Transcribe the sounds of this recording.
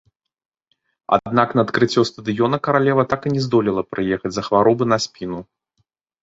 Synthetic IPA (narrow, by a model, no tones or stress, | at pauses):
a̰d̪̚naknɐːt̪kɾɨt͡sʲːɔst̪ɐd̪ɨjɔnɐkɐɾalʲɛvɐt̪akɨnʲɛzd̪ɔlʲilˠɐpɾɨjɛxɐd͡zʲzɐxvaɾɔbɨnɐsʲpʲinu